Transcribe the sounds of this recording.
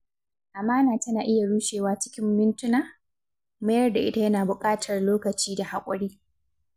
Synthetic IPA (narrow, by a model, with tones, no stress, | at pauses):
ʔa˨maː˦naː˨tɐ˦naː˨ʔɪ˦ja˨ɽuː˦ʃeː˨waː˦t͡ʃɪ̥˦kʲɪ˦mːɪ˦ntʊ˦naː˨ | mɐ˦jɐ˦rda˨ʔɪ˦ta˨jɐ˦naː˨bʊ˨kʼaː˦tʰɐ˨rloː˦kɐ˨t͡ʃiː˦da˨ha˨kʷʼɔ̰˦ɽiː˦